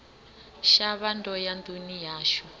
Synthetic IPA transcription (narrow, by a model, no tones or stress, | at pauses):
ʃaβandɔjand̪unijaːʃɔ